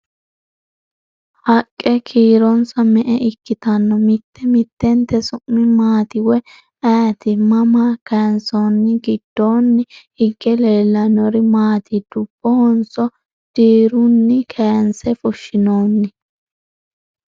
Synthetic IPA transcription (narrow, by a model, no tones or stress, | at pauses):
hɐkʼːɛkʰiːɾɔnsɐmɛʔɛʔɪkːɪt̪ɐnːɔmɪt̪ːɛmɪt̪ːɛnt̪ɛsʊʔːɪmaːt̪ɪwɛ | ɐt̪ɪmɐmakɐnsɔnːɪɡɪd̪̥ːoːnːɪhɪɡːɛleːlːɐnɔɾɪmaːt̪ɪd̪̥ʊb̥ːɔhɔnsɔ | d̪̥iːɾʊnːɪkʰɛjnsɛfʊʃːɪnoːnːɪ